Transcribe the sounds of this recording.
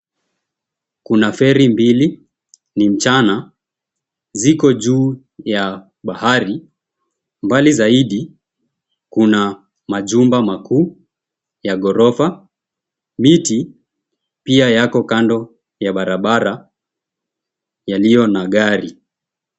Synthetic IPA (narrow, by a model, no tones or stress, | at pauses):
kunafɛɾimbili | nim̩t͡ʃana | zikɔʄuː | ja | ɓahaɾi | mbalizaiɗi | kuna | maʄumbamakuː | jaɠɔɾɔfa | miti | piajakɔkandɔ | jaɓaɾaɓaɾa | jalijɔnaɠaɾi